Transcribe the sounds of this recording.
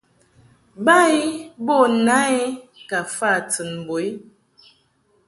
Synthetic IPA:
ba˦i˦bɔ˦˨na˦i˦ka˨fa˦˨tɨ˨nbo˨i˦

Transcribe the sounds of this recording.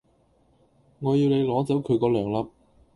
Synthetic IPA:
ŋɔː˨˧jiː˧wne˨˧jlɔː˨˥t͡sɐ˨˥wkʰɵ˨˧ɥkɔː˧lœː˨˩ŋlɐ˧p̚

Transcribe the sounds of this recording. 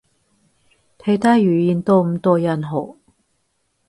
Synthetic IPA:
t̪ʰe˧jt̪aː˥jyː˨˩jiː˨˧˩nt̪o˧m̩˨˧t̪oː˧jɐ˨˩nɦo˨˩

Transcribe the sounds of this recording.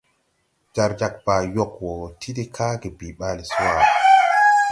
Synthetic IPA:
d͡ʒa˨ɾd͡ʒa˨k̚ba˨jɔ˨kwɔ˨tʰi˦di˦kʰa˦ɡe˨bi˨ɓa˦li˨su˦wa˨

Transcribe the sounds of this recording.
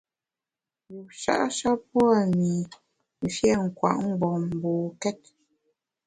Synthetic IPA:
wu˨ʃa̰˦ʔʃa˦pwa˦˨mi˨ | m̩˦˨fjɛ˦˨ŋ̩˨kwa̰˨ʔŋ̩˦ɡ͡bɔ˨m˨bo˨kɛ˦t̚

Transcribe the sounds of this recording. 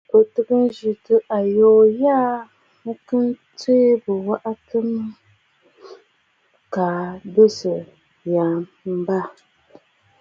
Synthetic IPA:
o˨tɨ˦kɨ˦nʒi˨tɨ˦ʔa˨joː˦jaː˦ | mɨ˦kɨ˦nti˦bɨ˨wa˦ʔa˦tɨ˦m | ka˨be˦sɨ˨ | jaː˨m | m̩˦ba˦

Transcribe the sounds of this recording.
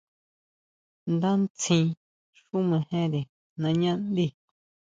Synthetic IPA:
nd̪ã˦nt͡sʰĩ˧ | ʂu˦mẽ˧hẽ˦ɾe˨ | nã˧ɲã˦nd̪i˦˨

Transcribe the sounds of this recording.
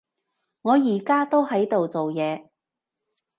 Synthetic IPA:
ŋɔː˨˧jiː˨˩kaː˥t̪o˥whɐ˨˥jt̪o˨wt͡so˨wjɛː˨˧

